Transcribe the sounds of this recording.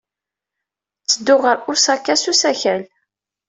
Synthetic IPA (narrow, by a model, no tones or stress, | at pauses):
t͡sːəd̪ːʊʁəɾʊsækːæsusæçæl